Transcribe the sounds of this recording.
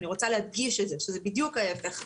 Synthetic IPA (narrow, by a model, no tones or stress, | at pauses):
niʁo̞t͡saleɦad̪ɡiʃetzeʃezebid̪jukaefe̞χ